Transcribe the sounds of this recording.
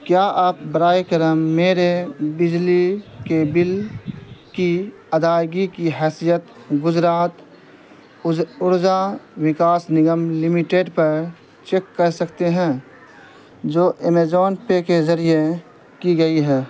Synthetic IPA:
kjaːʔaːp̚bəɾaːekəɾəmːeːɾebɪd͡ʒlikebɪl | ki | ɐd̪aːjɡikiɦɛːsijət̪ɡʊd͡ʒɾaːt̪ | ʊɾd͡ʒawɪkaːsnɪɡəmlɪmɪʈeːɖpɐɾ | t͡ʃeːkːəɾsɐkt̪eɦɛ̃ː | d͡ʒoːʔemeːd͡ʒɔːnpekezɐɾije | kiɡɐiɦɛː

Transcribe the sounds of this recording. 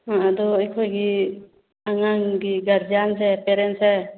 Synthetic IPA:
ãad̪ɔəjkʰojɡi | aŋaŋɡiɡaɾd͡ʒansɛpeɾensɛ

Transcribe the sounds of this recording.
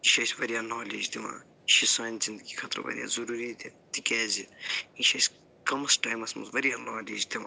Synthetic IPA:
iʃɐːsʲʋɐɾijaːnoːleːd͡ʒd̪ima̰ː | ʃisaːnzind̪əɡikʰat̪ɾʋɐ̰ɾija̰ːzɐɾuːɾid̪it̪ikʲɛːziiʃɐs | kɐmɐsʈaːjmɐsmɐ̰zʋɐɾijanaːleːd͡ʒd̪imaː

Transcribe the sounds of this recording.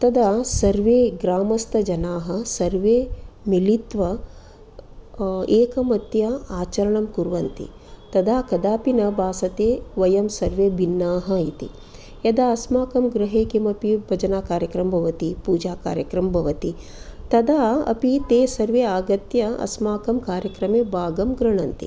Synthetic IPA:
t̪ɐd̪asɐɾʋeːɡɾaːmɐst̪ɐd͡ʒɐnaːɦɐsɐɾʋeːmilit̪ʋɐ | eːkɐmɐt̪jɐaːt͡ʃɐɾɐɳɐmkuɾʋɐnt̪ḭ | t̪ɐd̪ʱaːkɐd̪aːpinɐbʱaːsɐt̪eːʋɐjɐmsɐɾʋeːbʱinːaːɦɐit̪ḭ | jɐd̪aːɐsmaːkɐmɡɾɐɦeːkemɐpibʱɐd͡ʒɐnaːkaːɾjɐkɾɐmɐbʱɐʋɐt̪ipuːd͡ʒaːkaːɾjɐkɾɐmbʱɐʋɐt̪i | t̪ɐd̪ʱaːɐ̰pit̪eːsɐɾʋeːaːɡɐt̪jɐɐ̰smaːkɐmkaːɾjɐkɾɐmeːbʱaːɡɐmɡɾɐɳɐnt̪ḭ

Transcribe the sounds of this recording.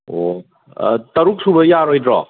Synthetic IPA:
o | tɐɾuk̚subɐjaɾojdɾɔ̰

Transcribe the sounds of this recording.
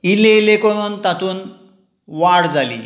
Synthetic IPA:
ileilekomənt̪at̪uːn | ʋaɽd͡zalḭː

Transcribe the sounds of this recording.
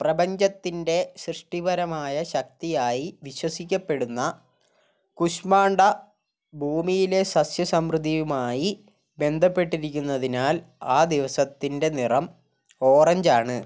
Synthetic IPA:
prɐbɐɲd͡ʑɐt̪ːinde̞ɕrɨʂʈibɐɾɐmaːjɐɕɐk̚t̪ijaːjiʋiɕwɐsikʲːɐpːe̞ɽunːɐ | kuɕmaːɳɖɐ | bʱuːmijile̞sɐsjɐsɐmrɨd̪ʱːijumaːji | be̞nd̪ʱɐpːe̞ʈːiɾikʲːunːɐðinaːl | aːd̪iʋɐsɐt̪ːinde̞nirɐm | o̞ːrɐɲd͡ʑaːɳɨ

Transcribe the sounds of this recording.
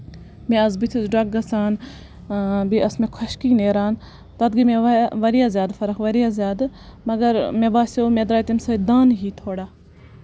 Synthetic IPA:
mẽɐzbit̪ʰizɖɐk̚ɡɐsaːn | biɐsmẽkʰɐʃkiːneːɾaːn | t̪ɐd̪ɡimẽʋɐɾijaːzʲjaːd̪fɐɾɐkʋɐɾijazʲjaːd̪mɐɡɐɾmebaːsomed̪ɾaːjt̪imsɐid̪aːnɦiːt̪ʰoːɽaː

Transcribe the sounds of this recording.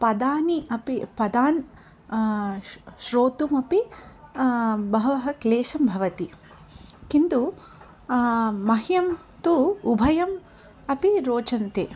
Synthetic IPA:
pɐd̪aːniɐpipɐd̪aːn | ʃɾoːt̪umɐpi | bɐɦɐɐɦɐkleːʃɐmbʱɐʋɐt̪i | kint̪u | mɐɦjɐm | t̪uubʱɐjɐm | ɐpiɾoːt͡ʃɐnt̪ḛː

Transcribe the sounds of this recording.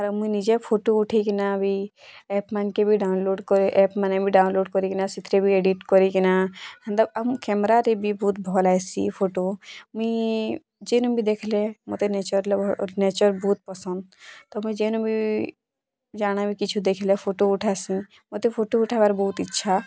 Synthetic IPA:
aɾmuĩnid͡ʒepʰoʈouʈʰikinabʱiɛːpmankebʱiɖaːnloːɖkɔɾeʔɛːpmanebʱiɖaːʊnloːɖkɔɾikinasit̪ʰɾebʱieɖiʈkɔɾikinahə̃nd̪əbəmkɛmɾaɾebʱibuːt̪̚bʱɔlajsḭpʰoːʈomi | d͡ʒenũbʱid̪ekʰlemot̪eneːt͡ʃəɾlneːt͡ʃəɾbuːt̪̚pɔsə̃nd̪̚t̪ɔmuĩd͡ʒenũbʱi | d͡ʒaːñabʱikit͡ʃʰud̪ekʰlepʰoːʈoʊʈʰasĩ | mot̪epʰoːʈouʈʰabaɾbɔut̪itːʃʰa

